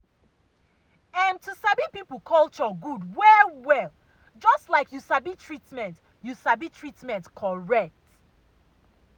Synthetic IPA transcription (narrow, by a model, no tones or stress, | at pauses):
ãntʰusabipipəl̩ˠkʰɔlˠt͡ʃɔɡudwɛwɛlˠ | d͡ʒɔstlaɪkʰjusabitʰɹitmɛ̃nt | jusabitʰɹitmɛ̃ntkʰɔɹɛk̚t